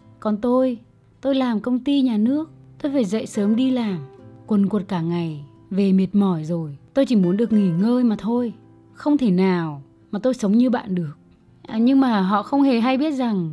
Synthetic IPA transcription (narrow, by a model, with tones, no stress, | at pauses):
kɔ˨˩nt̪o˧j | t̪o˧jlaː˨˩mkə˧wŋ͡mt̪i˧ɲaː˨˩nɨ˦˥ək̚t̪o˧jfaː˧˩jzə̰˧˨jsəː˨˦mɗi˧laː˨˩mkwə˨˩nku˨˩t̚kaː˧˩ŋa˨˩j | ve˨˩mi˨˩t̚mɔ˧˩jzo˨˩jt̪o˧jt͡ɕi˧˩mu˨˦ənɗɨ˨˩ək̚ŋi˧˩ŋəː˧jmaː˨˩t̪ʰo˧j | xə˧wŋ͡mt̪ʰe˧˩naː˨˩w | maː˨˩t̪o˧jsə˨˦wŋ͡mɲɨ˧ɓa̰ː˧˨nɗɨ˨˩ək̚ː | ɲɨ˧ŋmaː˨˩ɦɔ̰˧˨xə˧wŋ͡mhe˨˩ɦa˧jɓi˦˥ət̚za˨˩ŋ